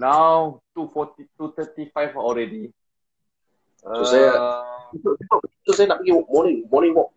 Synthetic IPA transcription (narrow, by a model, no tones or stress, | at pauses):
nawtufɔtitut̪ətifaɪfɔlɹɛdi | soɛ | sosiososɛnapikiwɔmɔnĩŋmɔnĩŋwɔk̚